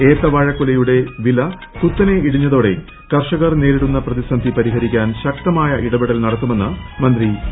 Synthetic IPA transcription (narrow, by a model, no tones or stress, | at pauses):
eːt̪ːɐʋɐːɻɐkːulɐjuɽe̞ʋilɐ | t̪ut̪ːɐne̞iɽiɲːɐðo̞ːɽe̞̰ | kɐrʂɐɣɐrneːɾiɽunːɐprɐðisɐnd̪ʱipɐɾiɦɐɾikʲːaːnɕɐk̚t̪ɐmaːjɐʔiɽɐbiɽɐlnɐɽɐt̪ːume̞nːɨmɐnd̪ri